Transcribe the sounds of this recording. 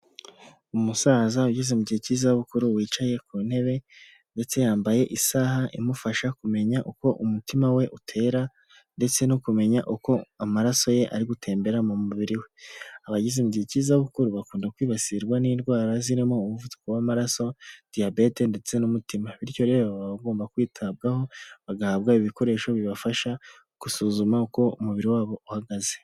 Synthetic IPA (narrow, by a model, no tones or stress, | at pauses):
umusaːzauɟizemubɟiecizaβukuɾuwiːt͡ʃaje̞kuːn̥he̞βe̞ | nde̞t͡se̞jaːmbaje̞ʔisahaʔimufaʃakume̞ɲaʔuko̞ʔumutimawe̞ʔutʰe̞ːɾa | nde̞t͡se̞nukume̞ɲaʔuko̞amaɾaso̞je̞ʔa̰ɾiɡutʰe̞ːmbe̞ɾamumuβiɾiwe̞aβaɟizimɟicizaβukuɾuβakuːndakwiːβasiɾɡwaniːnɡwaːɾaziɾimo̞uβuvutu̥kowamaɾaso̞d̥iabe̞te̞nde̞t͡se̞numutimaβiɾico̞ɾe̞βaβaβaɡo̞ːmbakwiːtʰab̚ɡaho̞βaɡahaβɡaiβiko̞ɾe̞ːʃo̞βiβafaʃa | ɡ̥usuːzumauko̞umuβiɾiwaːβo̞uhaɡaze̞̥